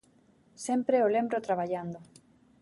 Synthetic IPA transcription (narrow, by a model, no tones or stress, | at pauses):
sẽmpɾeolẽmbɾot̪ɾaβ̞aʎand̪o